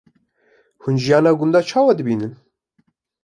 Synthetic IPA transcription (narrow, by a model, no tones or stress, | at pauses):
hunʒijɑːnɑːɡʊnd̪ɑːt͡ʃʰɑːwɑd̪ɨbiːnɨn